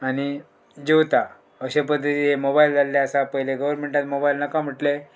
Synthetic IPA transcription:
aɽ̃i | d͡ʑeʋt̪a | əɕepəd̪ʱːət̪iɦemobaild͡zalːeəsapəɦjleɡəʋəɾmeɳʈat̪mobailnəkam̤əʈle

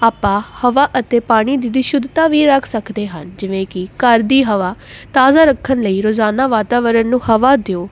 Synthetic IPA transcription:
aːpãːhəʋaːʔət̪eːpaːɽ̃iːd̪id̪iːʃʊd̪t̪aːʋiːɾəkʰsəkʰd̪eːɦənd͡ʒɪʋẽːkɪkəɾd̪iːɦəʋaːt̪aːzaːɾəkʰːənləiːɾoːzaːnaːʋaːt̪aːʋəɾənːũːhəʋaːd̪eoː

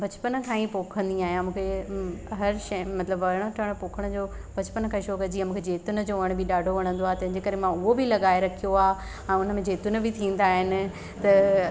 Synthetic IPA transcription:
bʱɐt͡ɕpən̆kʰãːĩpoːkʰə̃nd̪iaːɦijãmũːkʰeɦɐɾʃɐ̃mɐt̪ləbʋɐɾɪɽ̃oʈʰɐɽ̃poːkʰəɽ̃əd͡ʑoː | bʱɐt͡ɕpənkʰãːĩʃoːkɐd͡ʑiːamũːkʰed͡ʑeːt̪ʊnə̆d͡ʑoʋəɽ̃bʱɪɗaːɖʱoʋɐɽ̃ə̃nd̪oaːɦet̪ɐ̃ɦɪ̃ɲd͡ʑekɐɾemãʊɦobɪlɐɠaːeɾɐkʰijoaːɦ | ɛ̃ːʊn̤əmẽd͡ʑeːt̪ʊnə̆bʱɪt̪ʰĩːn̆d̪aːɦɪnɪ̆ | t̪ɐ

